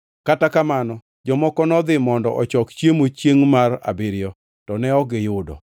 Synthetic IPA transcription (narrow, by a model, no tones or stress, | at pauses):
katakamanɔ | d͡ʒɔmɔkɔnɔd̪ɪmɔndɔʔɔt͡ʃɔkt͡ʃjemot͡ʃjeŋmara̰bɪɾɪjɔ | tɔnɛɔɡɪjʊdɔ̰